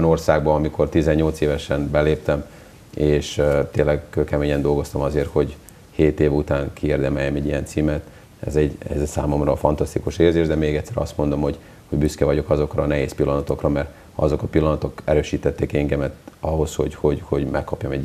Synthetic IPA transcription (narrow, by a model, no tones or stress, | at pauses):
no̞rsaːɡbɒɒmikʰo̞rt̪izɛɲːo̞lt̪seːvɛʃɛnbɛleːp̚t̪ɛm | eːʃt̪eːnlːɛɡkøːkɛmeːɲɛnd̪o̞lɡo̞st̪ɒmɒzeːrho̞ɟ | heːt̪eːvut̪aːŋkʰieːrd̪ɛmɛjːɛmɛɟːijɛnt̪siːmɛt̪ | ɛ̰zɛɟɛ̰zɛsaːmo̞mrɒfɒnt̪ɒst̪ikuʃeːrzeːʒd̪ɛmeːɡɛct̪sːɛɾɒ̰st̪mo̞nd̪o̞mhoɟ | ho̞ɟbyskɛvɒɟo̞kɒzo̞krɒnɛɦeːspilːɒnɒt̪o̞krɒmɛr | hɒzo̞kɒpilːɒnɒt̪o̞kɛɾøːʃiːt̪ɛt̪ːeːkɛŋɡɛmɛt̪ɒɦo̞shoɟho̞ɟho̞ɟmɛkːɒpjɒmɛ